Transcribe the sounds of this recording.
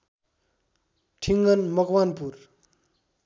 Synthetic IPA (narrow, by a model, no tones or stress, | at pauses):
ʈʰiŋɡʌnmʌkwanpuɾ